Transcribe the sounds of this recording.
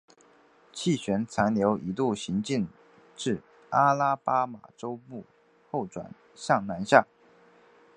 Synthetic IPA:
t͡ɕʰi˥˩ɕɥɛ˧˥nt͡sʰa˧˥nljo˧˥ʊʔi˧˥t̪u˥˩ɕi˧˥ŋt͡ɕi˥˧ŋ | ʈ͡ʂɻ̩˥˩ | a˥la˥pa˥ma̰˨˩ʈ͡ʂo˥ʊpu˥˧ | xo˥˩ʊʈ͡ʂwa̰˨˩n | ɕjɑ˥˩ŋna˧˥nɕja˥˩

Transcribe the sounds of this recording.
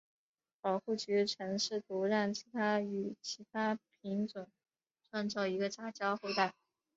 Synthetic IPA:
pɑ˨˩ʊxu˥˩t͡ɕy˧˥ʈ͡ʂʰɤ˧˥ŋʂɻ̩˥˩t̪ʰu˧˥ɻa˥˩ŋt͡ɕʰi̥˧˥t̪ʰa˥y˨˩t͡ɕʰi˧˥t̪ʰa˥pʰi˧˥ŋʈ͡ʂwə˨˩˦n | ʈ͡ʂʰwa˥˧nt͡sɑ˥˩ʊi˧˥ɡə˧t͡ɕa˥t͡ɕjɑ˥xwe˥˧ɪt̪a˥˩ɪ

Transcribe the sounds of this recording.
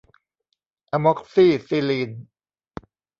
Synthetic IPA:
ʔa˧mɔ˦˥k̚siː˥˩si˧liː˧n

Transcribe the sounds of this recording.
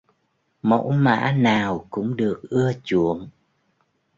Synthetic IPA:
mo̰˧˥jma̰ː˧˥naː˨˩wkʊ̰˧˥ŋ͡mɗɨ˨˩ək̚ʔɨ˧ət͡ɕu˧˨əŋ

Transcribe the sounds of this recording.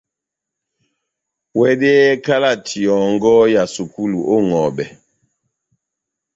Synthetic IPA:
wɛ˦dɛ˦ka˦la˦˨tʰi˨ɔ˨ŋɡɔ˦ja˨su˨ku˦lu˨ʔo˦ŋɔ˨bɛ˨

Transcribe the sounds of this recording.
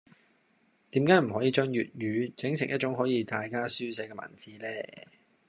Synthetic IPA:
t̪iː˨˥mkaː˨˥jm̩˨˩ɦɔː˨˥jiː˧t͡ʃœː˥ŋjy̰ː˨t̚jyː˨˧t͡sɪ˨˥ŋsɪ˨˩ŋjɐ˥t̚t͡ʃʊ˨˥ŋɦɔː˨˥jiː˧t̪aː˨jkaː˥syː˥sɛː˨˥kɛː˧ma̰ː˨˩nt͡siː˨˥lɛː˥

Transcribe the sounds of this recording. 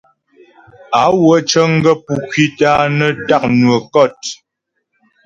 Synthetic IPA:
a˨˦wə˨˦t͡ʃə˦ŋ̩˦ɡə˦pu˨kwi˦ta˦nə˦ta˦˨k̚nwə˨kɔ˦˨t

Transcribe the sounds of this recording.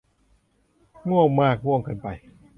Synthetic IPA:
ŋu˥˩əwmaː˥˩k̚wu˥˩˨ŋka˧npa˧j

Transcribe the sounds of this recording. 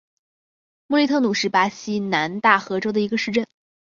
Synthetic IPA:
mu˥˧li˥˧t̪ʰɤ˥˩nu˨˩ʂɻ̩˥˩pa˥ɕi˥na˧˥nt̪a˥˩xɤ˧˥ʈ͡ʂo˥ʊd̪ə˨i˧˥ɡə˧ʂɻ̩˥˧ʈ͡ʂə˥˩n

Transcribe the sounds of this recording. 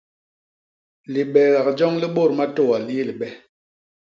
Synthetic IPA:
li˨ɓɛ˨ɣa˨k̚d͡ʒɔ˦ŋli˦ɓo˦˨ɾma˦to˦˨wa˨li˦li˨ɓɛ˦

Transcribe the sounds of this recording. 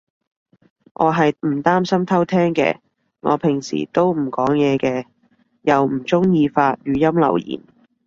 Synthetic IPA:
ŋʔɔː˨˧ɦɐ˨jm̩˨˩t̪aː˥msɐ˥mt̪ʰɐ˥wt̪ʰɛː˥ŋkɛ̰ː˧ | ŋɔ̰ː˨˧pʰɪ˨˩ŋsḭː˨˩t̪o˥wm̩˨˩kɔː˨˥ŋjɛː˨˧kɛː˧ | jɐ˨wm̩˨˩t͡sʊ˥ŋjiː˧faː˧t̚jyː˨˧jɐ˥mlɐ̰˨˩wjḭː˨˩n

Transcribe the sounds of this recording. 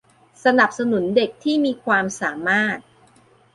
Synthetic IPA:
sa˧na˨˩p̚sa˧nu˩˦nde˨˩k̚t̪ʰiː˥˩miː˧kʰwaː˧msaː˩˦maː˥˩t̪̚

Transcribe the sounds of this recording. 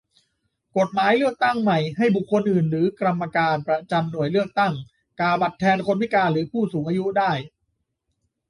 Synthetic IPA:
ko˨˩t̪̚maː˩˦jlɯ˥˩ək̚t̪a˥˩ŋma˨˩jɦa˥˩jbu˨˩kʰːo˧nʔɯː˨˩nɾɯː˩˦kɾa˧mːa˧kaː˧npɾa˧t͡ɕa˧mnu˨˩əjlɯ˥˩ək̚t̪a˥˩ŋ | kaː˧˩ba˨˩t̪ʰːɛː˧nkʰo˧nwi˦˥kaː˧ɾɯː˩˦pʰuː˥˩suː˩˦ŋʔaː˧ju˦˥daː˥˩j

